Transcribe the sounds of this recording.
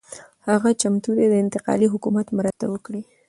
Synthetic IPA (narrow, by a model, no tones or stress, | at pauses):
haɣat͡ʃamt̪ud̪ed̪əɪnt̪ɪqɑ̰liɦʊkumat̪mɾat̪a̰wəkɽi